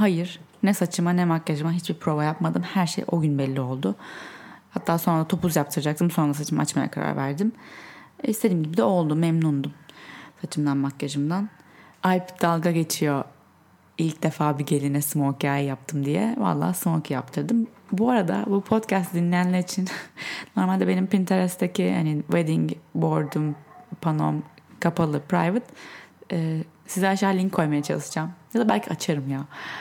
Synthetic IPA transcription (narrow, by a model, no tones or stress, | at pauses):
hajɯɾ̥nɛsat͡ʃʰɯmanɛmakjaʒɯmaɦit͡ʃbipʰɾo̞bajapmad̪ɯmhæɾʃḛjʔo̞ɟynbɛlʲːio̞lˠd̪ʊ | hat̪ʰːaːso̞nɾad̪at̪ʰo̞puzjap̚t̪ʰɯɾad͡ʒak̚t̪ʰɯmso̞nɾas̬at͡ʃʰɯma̰at͡ʃmaja̰kʰaɾa̰ɾvæɾd̪im | ist̪ʰe̞d̪imɟibid̪ɛo̞lˠd̪umɛmnund̪umsat͡ʃʰɯmd̪anmakːaʒɯmd̪anajpd̪alˠɡaɟe̞t͡ʃʰijo̞ | ilʲcd̪e̞faːbiɟe̞lʲinɛsɯmocʰaːjajap̚t̪ʰɯmd̪ijɛ̰va̰lˠːa̰ːsɯmokʰjap̚t̪ʰɯɾd̪ɯmbuaɾad̪a̰bupʰo̞t̪cʰæst̪d̪inlʲijænlʲæɾit͡ʃʰinno̞ɾmalʲd̪ɛbe̞nimpint̪ʰeɾɛst̪ʰecʰiha̰nived̪iŋbo̞ɾd̪umpʰano̞̰mkʰapʰalˠɯpʰɾa̰jvɯt̪ɛːsizɛaʃaːlʲiŋʰːo̞jmajat͡ʃʰa̰lˠɯsɯd͡ʒamjad̪abælʲcʰiat͡ʃʰaɾɯmjaː